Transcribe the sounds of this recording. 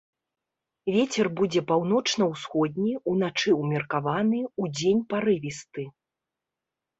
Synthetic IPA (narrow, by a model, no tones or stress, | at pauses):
vʲet͡sʲɛrbud͡zʲɛpawn̪ɔt͡ʂnɐwsxɔd̪̚ʲnʲiunat͡ʂɨwmʲirkavanɨud͡zʲenʲpaɾɨvʲist̪ɨ